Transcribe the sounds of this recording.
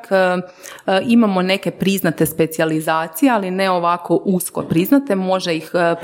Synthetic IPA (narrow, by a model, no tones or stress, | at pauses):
k | imamo̞ne̞ke̞pɾiznat̪e̞spe̞t̪sializaːt̪sijealine̞o̞ʋako̞ʔusko̞̰pɾiznat̪e̞mo̞ʒeix